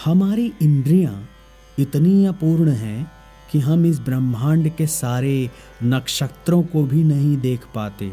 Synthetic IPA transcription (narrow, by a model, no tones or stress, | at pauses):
hɐmaːɾiʔɪ̃nd̪ɾijã | ɪt̪niapuːɾɳɦɛ̃ | kiɦɐmɪs̬bɾɐmʱãːɳɖkesaːɾe | nɐkʃəkt̪ɾõkobʱinɐɦĩd̪eːkʰpaːt̪ḛː